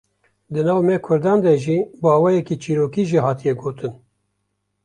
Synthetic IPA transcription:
d̪ɨnɑːvmɛkʰʊɾd̪ɑːnd̪ɛʒiːbɑːwɛjɛkiːt͡ʃʰiːɾoːkiːʒihɑːt̪ijɛɡoːt̪ɨn

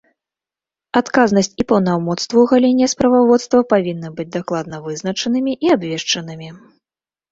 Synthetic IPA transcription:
at̪kaznɐsʲt͡sʲipɐwnawmɔt̪st̪vuwɣalʲɛnʲːɛspɾɐvavɔt̪st̪vɐpavʲinːɐbɨd͡zʲd̪aklˠad̪̚nɐvɨznɐt͡ʂɐnɨmʲiʔiabvʲɛʂt͡ʂɐnɨmʲi

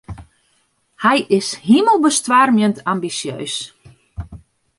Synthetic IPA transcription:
hɛjʔɪshiməlˠbəstʋaːrmjəntʰambisjø̰ːs

